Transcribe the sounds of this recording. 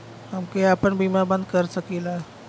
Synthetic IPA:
hamkeapəɳbimaɾbənd̪̚kəɾsəkila

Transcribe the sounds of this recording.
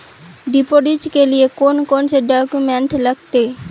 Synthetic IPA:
ɖipoɖid͡ʒkeliekonkonseɖɔkumeɳʈləɡt̪e

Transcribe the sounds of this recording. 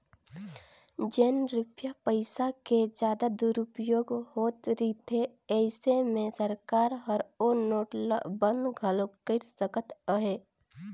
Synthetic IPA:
d͡ʒeːnɾɪpjapəɪsakezd͡ʒjaːd̪ad̪uɾʊpjoːɡhoːt̪ɾit̪ʰe | ɛːɪsemẽsəɾkaːɾɦəɾonoːʈlbə̃nd̪ɡʱəlokəɾsəkət̪əɦeː

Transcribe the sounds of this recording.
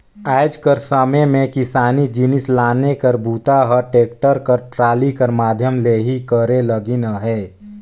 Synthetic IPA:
aːɪd͡ʒkəɾsəmemẽkɪsaːnid͡ʒɪnɪslaːnekəɾbuːt̪aɦəʈeːk̚ʈəɾkəɾʈɾaːlikəɾmaːd̪ʱjəmleːɦikəɾeləɡinaɦɛː

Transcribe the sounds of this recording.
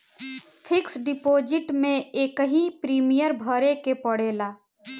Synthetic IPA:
pʰɪksɖɪpoːd͡ʒɪʈmẽeːkɦipɾiːmijəɾbʱəɾekepəɽ̤eːlaː

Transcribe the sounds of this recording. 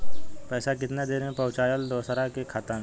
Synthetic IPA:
pɛːsakɪt̪nad̪eːɾmẽpəːt͡ʃaːjəld̪oːsɾakekʰat̪ən

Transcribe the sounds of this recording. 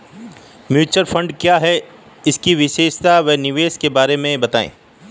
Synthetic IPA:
mjuːt͡ʃəɾfɐ̃ɳɖkjaɦɛ | ɪskiʋɪʃeːʃt̪aʋɛɦnɪʋeːʃkebaːɾemẽbɐt̪aːḛ̃ː

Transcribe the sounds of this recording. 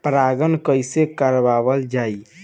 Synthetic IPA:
pɾaɡənkəjsekəɾbabəld͡ʒai

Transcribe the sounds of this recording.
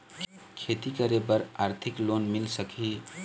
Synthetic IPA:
k | kʰet̪ikəɾebəɾaɾt̪ʰiklonmilsəki

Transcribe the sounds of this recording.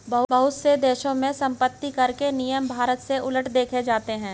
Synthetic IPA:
bɐɦbɐɦʊt̪sed̪eːʃõmẽsɐ̃mpət̪ːikɐɾkenijəmbʱaːɾət̪seʔʊləʈʰd̪eːkʰed͡ʒaːt̪eɦɛ̃ː

